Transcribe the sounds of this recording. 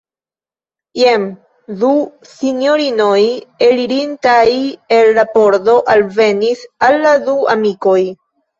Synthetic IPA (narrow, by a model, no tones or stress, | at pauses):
jem | du | sinjo̞ɾino̞jeliɾintaje̞lːapo̞ɾdo̞ʔalve̞nisalːadua̰miko̞j